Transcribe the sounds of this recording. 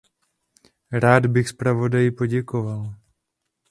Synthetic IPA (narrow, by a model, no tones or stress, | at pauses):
ɾaːd̪bɪxspɾavodajipoɟɛkoval